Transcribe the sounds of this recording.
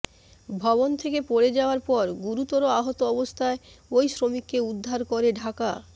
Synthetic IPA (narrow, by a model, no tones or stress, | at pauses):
bʱɔbont̪ʰekepoɾed͡ʑaoaɾpɔɾɡuɾut̪ɔɾoaɦot̪oɔbost̪ʰaeojsɾomikːeud̪ʱːaɾkoɾeɖʱaka